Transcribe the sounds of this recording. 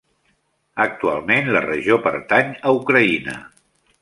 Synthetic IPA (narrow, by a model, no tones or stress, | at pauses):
ək̚t̪ua̰lˠmenlərəʒiopəɾt̪aɲəukɾəinə̰